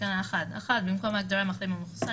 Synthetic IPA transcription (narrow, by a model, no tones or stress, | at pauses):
anaaχad̪a̰χat̪̚bimko̞mhaɡd̪oɾamaχlimamufsa